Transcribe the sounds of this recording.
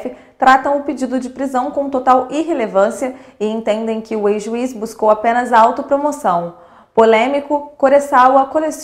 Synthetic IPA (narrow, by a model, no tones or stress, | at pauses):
fɪ | t̪ɾat̪ɐ̃w̃ʊped͡ʒid̪ʊd͡ʒɪpɾizɐ̃w̃kõt̪ot̪awiɦelevɐ̃siɐɪẽt̪ẽnd̪ẽj̃kɪʊejʒuisbuskowapẽnɐzawt̪ʊpɾomosɐ̃w̃ | polẽmikʊkoɾesawɐkoles